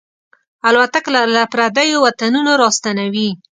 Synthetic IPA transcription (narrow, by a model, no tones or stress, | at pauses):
alwat̪akllapɾad̪ajowat̪anunoɾɑst̪anawi